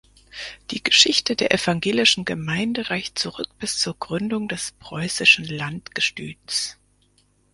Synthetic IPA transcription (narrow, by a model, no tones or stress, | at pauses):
d̥iːɡ̥əʃɪçtədeːɐʔɛfaŋɡeːlɪʃn̩ɡəmaɪndəʁaɪçtt͡suʁʏk̚b̥ɪst͡suːɐɡʁʏndʊŋdɛspʁ̥ɔʏsɪʃn̩lantɡ̥əʃty̰ːs